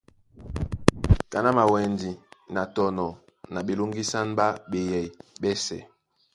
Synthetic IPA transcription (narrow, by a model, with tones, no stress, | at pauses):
ka˨na˦ma˨wɛ˨ndi˨na˨tɔ˨nɔ˨ | na˨ɓe˨lu˦ŋɡi˦sa˦n˦ba˦ɓɛ˨jɛ˨ɓɛ˦sɛ̰˨